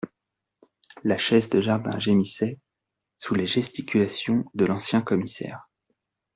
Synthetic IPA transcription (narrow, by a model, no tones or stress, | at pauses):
laʃɛzd̪əʒaʁd̪ɛ̰̃ʒemisɛ | suleʒɛst̪ikʲylasjɔ̃d̪əlɑ̃sjɛ̃kɔmisɛ̰ːʁ